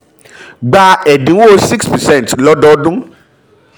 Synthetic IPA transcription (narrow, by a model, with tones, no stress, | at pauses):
ɡ͡ba˧ɛ˨dĩ˨˦o˦˨˦si˦kspɛ˨sɛ̃˦˨n˨tlɔ˦dɔ˦dũ˦